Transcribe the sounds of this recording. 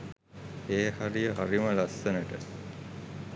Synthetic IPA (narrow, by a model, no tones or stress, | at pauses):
eːhaɾijəɦaɾiməlasːənəʈə̰